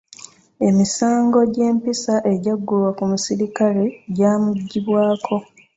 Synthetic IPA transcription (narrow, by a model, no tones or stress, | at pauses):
e̞misaːŋɡo̞ɟe̞ːmpisaʔe̞ɟaɡːulwakumusiɾikaleɟaːmuɟːiβwaːkʰo̞